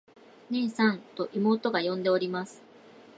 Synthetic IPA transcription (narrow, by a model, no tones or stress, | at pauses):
nẽ̞ɰ̃sãnt̪o̞ʔimo̞ːt̪o̞ɡajõ̞nd̪e̞oɾʲimasɨ̥